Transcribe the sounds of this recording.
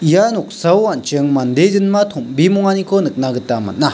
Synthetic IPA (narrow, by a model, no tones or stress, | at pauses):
janok̚sawant͡ʃəŋmand̪ezənmat̪ʰombimoŋanikʰonɯk̚naɡɯt̪ːama̰nːa